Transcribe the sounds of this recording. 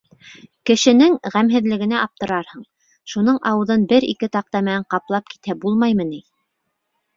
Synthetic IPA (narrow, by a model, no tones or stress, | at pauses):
kɘ̆ʃɘ̆nɘŋʁæmɦɘ̆ðlɘ̆ɡɘ̆næʔɑp̚t̪ɤ̆ɾɑɾhɤɴ | ʃun̪ɤɴʔɑwɤ̆ðɤnbɘɾḭkɘt̪ɑq̚t̪ɑmɘ̆næɴqɑplˠɑp̚ki̥t̪æbulˠmɑjmɤni